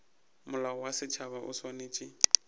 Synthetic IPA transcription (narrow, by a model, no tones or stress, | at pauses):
mʊlaɔwasɪt͡ʃʰaβaʔʊ̰swaneːt͡ʃʼɪ